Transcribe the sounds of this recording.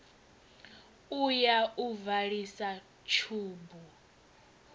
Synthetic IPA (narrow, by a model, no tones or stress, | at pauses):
ujauvaɺisa | t͡ʃʰuːmbu